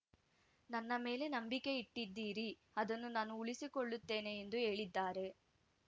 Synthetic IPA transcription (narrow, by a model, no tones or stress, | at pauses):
nɐnːɐme̞ːle̞nɐmbike̞iʈːid̪ːiːɾi | ɐd̪ɐnːunaːnuːɭisikoɭːut̪ːe̞ːne̞ːnd̪uɦe̞ːɭid̪ːaːɾe̞